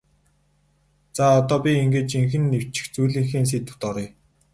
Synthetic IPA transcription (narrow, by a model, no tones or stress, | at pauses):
t͡saɔt̪ɔːpʲiiŋɡeːt͡ɕiŋxɘ̆nːew̥t͡ɕɪ̥̆xt͡sujɮiːŋxiːns̬eːt̪ŭ̥t̪ɔɾiː